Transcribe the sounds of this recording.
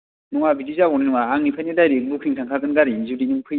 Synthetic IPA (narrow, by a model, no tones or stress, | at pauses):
nɔŋabidizabɔninuŋaaŋnipʰajnidajɾik̚bukʰiŋsʰaŋkʰakɯnɡaɾinzudinɯŋpʰɯ